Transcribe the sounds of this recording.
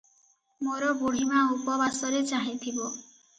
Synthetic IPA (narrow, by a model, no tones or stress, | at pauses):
moɾɔbuɽ̤imaupɔbasɔɾet͡ʃaɦĩt̪ʰibɔ